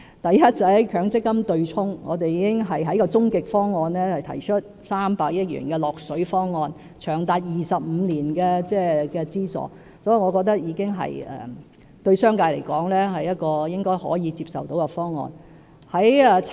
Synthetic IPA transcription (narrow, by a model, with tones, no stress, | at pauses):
t̪ɐ˨jjɐ˥t̚t͡sɐ˨˩hɐ˨˥jkʰœː˨˥ŋt͡sɪ˥kːɐ˥mt̪ɵ˧ɥt͡sʰʊ˥ŋŋɔː˨˧t̪e˨jiː˨˥kɪ˥ŋɦɐ˨jɦɐ˨˥jkɔː˧t͡sʊ˥ŋkɪ˨k̚fɔː˥ŋːɔː˧nlɛː˥hɐ˨jt̪ʰɐ̰˨˩jt͡ʃʰɵ˥t̚ | saː˥mpaː˨k̚jɐ˥t̚ɥy̰ː˨˩nkɛː˧lɔː˨k̚sɵ˨˥ɥfɔː˥ŋːɔː˧n | t͡ʃʰœː˨˩ŋt̪aː˨t̚jiː˨sɐ˨p̚m̩˨˧liː˨˩nkɛː˧t͡sɛː˥˩kɛː˧t͡siː˥sɔ̰ː˨˩ | sɔː˨˥ji˨ŋɔː˨˧kɔ˧k̚t̪ɐ˥k̚jiː˨˧kɪ˥ŋɦɐ̰˨˩jɛ̰ː˨˩ | t̪ɵ˧ɥsœː˥ŋkaː˧jle˨˩jkɔː˨˥ŋlɛː˥ɦɐ˨jjɐ˥t̚kɔː˧jɪ˥ŋkɔː˥jhɔ̰ː˨˥jiː˨˧t͡siː˧p̚sɐ˨wt̪o˨˥wkɐ˧fɔː˥ŋːɔ̰ː˧n | hɐ˨˥jɛ˨